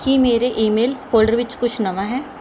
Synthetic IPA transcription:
kimeːɾeʔiːmeːlkoːlɖəɾʋɪt͡ʃkʊt͡ʃʰnɐʋaɦɛː

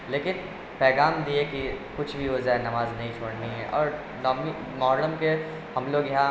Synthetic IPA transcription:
leːkɪn | pɛːɡaːmd̪iekikʊt͡ʃʰbʱiʋod͡ʒɛɦnɐmaːznɐɦĩt͡ʃʰoːɽniɦɛ̰ʔɔːɾ | nɔːmi | mɔːɾɽəmke | hɐmloːɡjɐɦã

